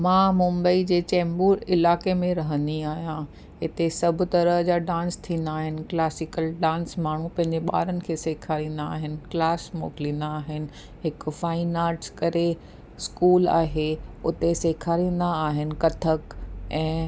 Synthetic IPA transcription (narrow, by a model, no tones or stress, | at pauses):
mãːmʊ̃mbəid͡ʑeːt͡ɕɛ̃ːmbuːɾɪlaːkemẽɾɐɦə̃nd̪iaːɦijã | ɦɪt̪esɐbʱʊ̆t̪ɐɾəɦd͡ʑaːɖãːnst̪ʰĩːnd̪aːɦɪnɪ̆klaːsɪkəlɖãːnsmaːɳ̤upɐ̃ɦɪ̃ɲd͡ʑeɓa̰ːɾənɪ̆kʰeːseːkʰaːɾĩːn̆d̪aaːɦɪnɪ̆klaːsmo̰ːklĩːnd̪aːɦɪnɪ̆ | ɦɪkfaːɪnaːʈskɐɾe | skuːla̰ːɦeʊt̪eseːkʰaːɾĩːn̆d̪aːɦɪnɪ̆kɐt̪ʰəkɛ̃ː